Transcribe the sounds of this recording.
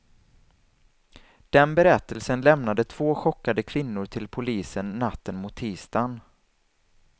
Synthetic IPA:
d̪̥ɛnbɛɾɛt̪ːəlsənlɛmnad̪ət̪ʰv̥oːɧɔkːad̪əkʰv̥ɪnːʊʈʰɪlpʰʊliːsənːat̪ːənmʊt̪ʰːiːst̪an

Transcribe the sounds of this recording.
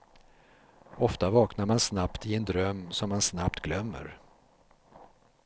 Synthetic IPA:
ɔft̪avɑːknaɾmansnapt̪ɪɛnd̪ɾœmːsɔmːansnap̚t̪ɡlœmːə̰ɾ

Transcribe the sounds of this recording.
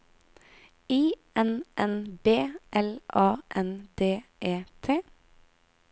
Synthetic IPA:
iːʔɛnʔɛnbeːʔɛlʔɑːʔɛnd̪eːʔeːt̪ʰeː

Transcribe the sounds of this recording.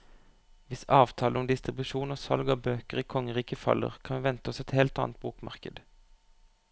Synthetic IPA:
ʋɪsɑːʋt̪ʰɑːləɔmd̪ɪst̪ʁɪbʉʃuːnoːsɑ̰lɡoːbøːkəʁiːkʰɔŋːəʁiːkəfɑ̰lːə̰ʁkʰɑnʋɛːʋɛnt̪əɔsɛt̪heːlt̪ɑːnt̪̚buːkmɑ̰ʁkə̰d̪

